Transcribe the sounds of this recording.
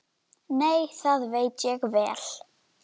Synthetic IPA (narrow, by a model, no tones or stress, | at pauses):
nejθaðvejt̪jɛɣvɛːl̥